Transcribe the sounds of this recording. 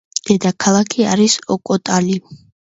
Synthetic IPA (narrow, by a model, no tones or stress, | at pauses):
d̪̥ɛd̪akʰalˠakʰiaɾisɔkʼɔt̪ʼali